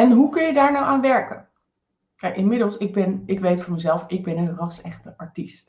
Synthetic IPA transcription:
ɛnɦukɵnjədaːɹnawʔaːnʋɛɹkən | kɛjkɪnmɪdəlˠsɪɡ̚bɛnɪkʋejtfɔɹməzɛlˠfɪɡ̚bɛnənrɑsɛχtəʔɑɹtist

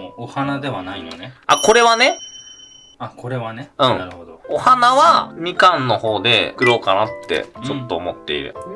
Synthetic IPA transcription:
ohanad̪e̞βanainoneako̞ɾe̞βane̞ | ako̞ɾe̞βaneɯ̟̃ŋaɾɯhod̪oohanaβamʲikãnːo̞ho̞ːd̪e̞̰kɯ̟ɾo̞ːkanat̪ːe̞̰t͡ɕo̞t̪ːo̞ːmo̞t̪ːe̞ḭɾɯ̟̰

